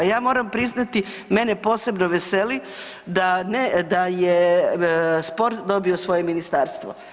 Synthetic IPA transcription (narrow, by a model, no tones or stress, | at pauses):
jaːmo̞ːɾampɾiznat̪i | me̞ne̞po̞ːse̞bnoʋeselid̪aned̪aje | spo̞ɾt̪d̪o̞biosʋo̞jeminist̪aːɾst̪ʋo